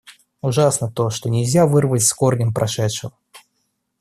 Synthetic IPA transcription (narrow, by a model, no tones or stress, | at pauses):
ʊʐasnət̪o̞ʂt̪o̞nʲɪlʲzʲavɨrvətʲskornʲɪmpɾʔɐʂɛt̪ʂɨvə